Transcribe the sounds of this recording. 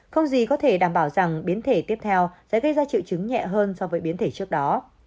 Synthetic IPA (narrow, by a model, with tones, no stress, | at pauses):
xə˧wŋ͡mzi˨˩kɔ˨˦t̪ʰe˧˩ɗaː˧˩mɓaː˧˩wza˨˩ŋɓi˨˦ənt̪ʰe˧˩t̪i˦˥əp̚t̪ʰɛ˧wsɛ̰˧˥ɣə˧jzaː˧t͡ɕḭ˧˨wt͡ɕɨ˨˦ŋɲɛ̰˧˨ɦəː˧nsɔ˧vəː˨˦jɓi˨˦ənt̪ʰe˧˩t͡ɕɨ˦˥ək̚ɗɔ˨˦